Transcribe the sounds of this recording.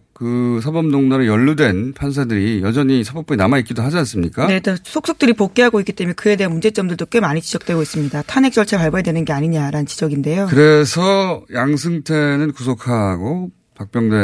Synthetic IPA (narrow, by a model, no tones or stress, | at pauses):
kɯsʰabʌmdoŋnaɾɯjʌɭːudwe̞npʰans̬ʰadɯɾijʌd͡ʑʌɲisʰabʌp͈uinamait̚k͈idoɦad͡ʑians͈ɯmɲik͈anetasʰok̚s͈ok̚t͈ɯɾipok̚k͈eɦaɡoik͈it͈e̞menkɯe̞de̞ɦanmund͡ʑe̞t͡ɕ͈ʌmdɯɭdokwemaɲit͡ɕid͡ʑʌk̚t͈we̞ɡois͈ɯmɲidatʰane̞k̚t͡ɕ͈ʌɭt͡ɕʰaɭpaɭbaedwe̞nɯnɡe̞aɲiɲaɾanɯnt͡ɕid͡ʑʌɡinde̞jokɯɾesʰʌjaŋs̬ʰɯŋtʰenɯnkus̬ʰokʰaɡo | pak̚p͈jʌŋdwe